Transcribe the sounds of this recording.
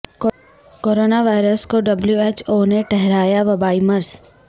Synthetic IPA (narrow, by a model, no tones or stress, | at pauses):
k | koːɾoːnaʋaːɪɾəskoɖɐbljueːt͡ʃoːneʈɛɦɾaːjaʋɐbaːimɐɾs